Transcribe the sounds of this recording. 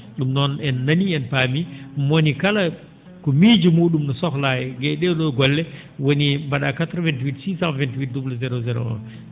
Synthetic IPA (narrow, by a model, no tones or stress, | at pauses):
ɗumnɔnɛnːaniɛnpamimonikala | kɔmid͡ʒumuːɗumnɔsɔxlajɛɡɛɗɛɗɔɡɔlːɛ | wonibaɗakatɾvɛntwitsisamvɛntwit̚dublzɛɾozɛɾo̰ɔ̰n